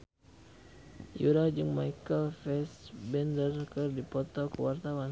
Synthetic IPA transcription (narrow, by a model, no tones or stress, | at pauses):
juɾad͡ʒɨŋmajkəlfɛsbɛndərkɨrdipɔt̪ɔkəwart̪awan